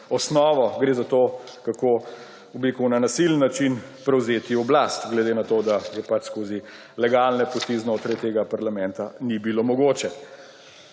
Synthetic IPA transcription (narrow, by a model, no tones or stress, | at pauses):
ɔsnɔːʋɔɡɾeːzat̪oː | kakoː | ublikuwnanasilənːat͡ʃin | pɾɛwzeːt̪iɔblast̪ɡlɛd̪eːnat̪oːd̪ajɛpat͡ʃskoːzi | lɛɡalnɛpɔst̪iznoːt̪ɾajt̪eːɡapaɾlamɛnt̪anibilomɔɡoːt͡ʃɛ